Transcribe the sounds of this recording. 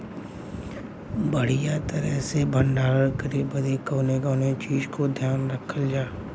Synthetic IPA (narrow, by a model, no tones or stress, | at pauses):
bəɽ̤ijat̪əɾəɦsebʱəɳɖaːɾəɾkəɾiːbəd̪ikoːneɡoːnet͡ʃiːd͡ʒkod̪ʱjaːnɾəkʰəld͡ʒaː